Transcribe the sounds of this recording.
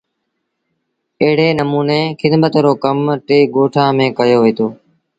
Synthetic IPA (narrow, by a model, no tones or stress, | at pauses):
əɦɪɽ̤eːnəmuːneːkʰɪd̪mət̪ɾoːkəmʈeːɡoːʈʰãːmẽːkəjoːʋeeːt̪ʰoː